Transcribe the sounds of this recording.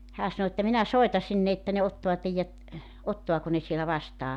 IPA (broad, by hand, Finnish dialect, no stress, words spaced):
hæː sɑno etːæ minæ soitɑ sinːe etːæ ne otːoɑ teijːæt otːoɑko ne sielæ ʋɑstɑː